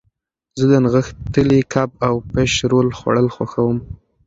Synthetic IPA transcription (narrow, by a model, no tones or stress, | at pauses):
zəd̪ənɣəxt̪əlikʰab̚awpeʃɾolxwa̰ɽəlxwa̰xawəm